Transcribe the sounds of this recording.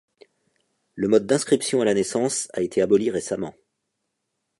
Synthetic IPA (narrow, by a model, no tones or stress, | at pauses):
ləmɔd̪̚ːɛ̃skχipsjɔ̃alanɛsɑ̃saet̪ʰeabɔliʁesamɑ̃